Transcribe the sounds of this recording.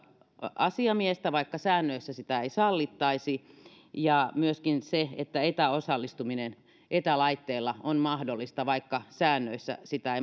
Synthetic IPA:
ɑsiɑmiest̪æʋɑikːɑsæːnːøisːæsit̪æeisɑlːit̪ːɑisi | jɑmyøskinseet̪ːæet̪æosɑlːist̪uminen | ʔet̪ælɑit̪ːeːlːɑonmɑhdolːist̪ɑʋɑikːɑsæːnːøisːæ̰sit̪æei

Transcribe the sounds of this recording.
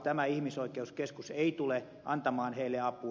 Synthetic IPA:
t̪æmæihmisoikˑeuskeskuseit̪ule | ʔɑ̰nt̪ɑmɑːnheilːeɑpu

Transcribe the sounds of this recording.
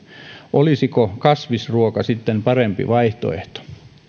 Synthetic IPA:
ʔolisikokɑsʋisruokɑsit̪ːempɑrempḭʋɑiht̪o̰ḛht̪o̥

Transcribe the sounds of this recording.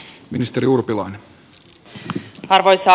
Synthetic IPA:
minist̪eɾiurpilɑjne | ɑrʋojsɑ

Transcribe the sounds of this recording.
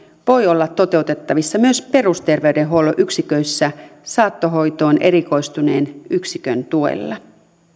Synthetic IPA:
ʋo̞jo̞lːɑt̪ːo̞t̪e̞wt̪et̪ːɑʋisːɑmyøspe̞rust̪e̞rʋe̞ydeɦoloʔyksikø̞isːæsɑːt̪ːoɦo̞jt̪o̞ːnʔe̞ɾiko̞ist̪une̞ːnyksikø̰nt̪uḛlːɑ

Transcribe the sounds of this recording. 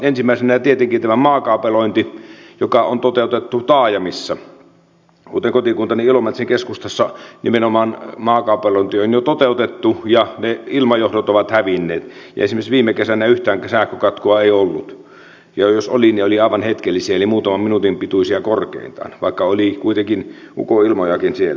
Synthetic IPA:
ensimːˑæˑisenæjɑt̪iet̪eŋkint̪æmæmɑːkɑˑupeloint̪ijokɑont̪ot̪eˑut̪et̪ːut̪ɑːjɑmisːɑ | kuːt̪eŋkot̪ikunt̪ɑniilomɑt̪seŋkeskust̪ɑsːɑnimenomɑːnmɑːkɑˑupeloˑĭnt̪ionjot̪ot̪eut̪et̪ːujɑneilmɑjohdot̪oʋɑt̪hæʋinːeːt̪jɑ̰esimesʋiːmːekesænæyht̪æːŋksæhkːøkɑt̪koɑeiolːut̪ | jɑjosolinioliɑˑiʋɑnhet̪kelːisiæelimuːt̪ɑmɑmminut̪impit̪uisiɑkorkḛˑḭnt̪ɑ̰ːnʋɑˑikːɑolikuit̪eŋkin | ṵkoilmojɑkinsielːæ

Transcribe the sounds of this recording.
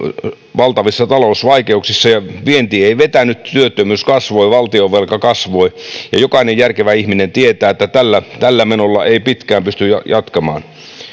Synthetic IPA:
ʋɑlt̪ɑʋisːɑt̪ɑlousʋɑikeuksisːɑjɑʋient̪iːeiʋet̪ænytt̪yøt̪ːømyːskɑsʋoiʋɑlt̪ioʋːelkɑkɑsʋoijɑ̰jokɑinejjærkeʋæihminent̪iet̪æːet̪ːæt̪ælːæt̪ælːæmenolːɑʔeipit̪kæːmpyst̪yjɑjɑt̪kɑmɑ̰ːn

